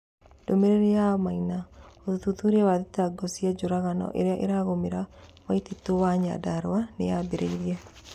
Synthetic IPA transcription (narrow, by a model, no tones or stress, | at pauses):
d̥omeɾeɾejamainaot̪ut̪utuɾewaðit̪aɡɔsjad͡ʒoɾaɣanɔ̰ʔḛɾeaʔeɾaɣomeɾawait̪et̪owaɲa̰daɾwanɪabeɾeiɾjɛ